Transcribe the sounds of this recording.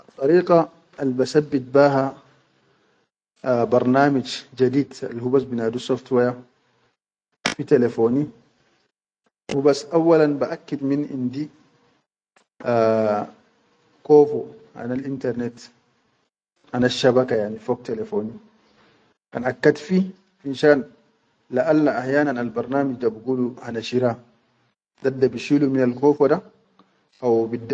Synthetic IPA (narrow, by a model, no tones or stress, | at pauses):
ʔɑt̪ˤːɑɾiːqa | albasabːit̪̚baːɦa | bɑɾˤnaːmad͡ʒd͡ʒad̪iːd̪a̰lhubasbinaːd̪usoft̪waja | fit̪elefoːni | hubasʔawːalanbaʔakːad̪minʔḭnd̪i | kɔːfɔʔa̰nalʔint̪aɾnɛt̪ | ʔanaʃːabakajaʕnifɔk̚t̪ɛlɛfoːni | kanʔakːad̪fi | finʃaːn | laʔalːaʔaħjaːnanalbaɾˤnaːmid͡ʒdabɡuluhanaʃiɾa | d̪adːabiʃiluminalkɔːfɔda | ʔawbidː